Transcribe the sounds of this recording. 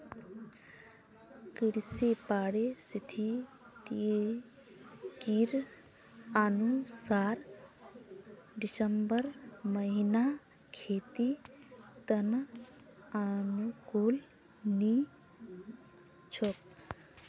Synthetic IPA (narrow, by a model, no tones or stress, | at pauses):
kiɾsepaːɽesit̪ʰi | t̪i | kiɾ | anusaːɾ | ɖisəmbəɾməɦina | kʰeːt̪i | t̪ən | anukoːl | ni | t͡ʃʰok̚